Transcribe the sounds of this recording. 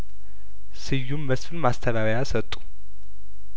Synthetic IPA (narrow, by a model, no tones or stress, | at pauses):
sɨjːumːəsfɨnmast̪ʰəβaβəjasət̪ʼːu̥